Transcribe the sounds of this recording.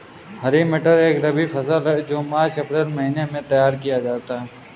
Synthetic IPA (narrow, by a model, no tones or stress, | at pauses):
ɦəɾimeʈəɾeːkɾɐbifʰɐsaːlɦɛd͡ʒoːmaːt͡ʃɐpɾeːlmɐɦiːnemẽt̪ɐjaːɾkijad͡ʒaːt̪aɦɛ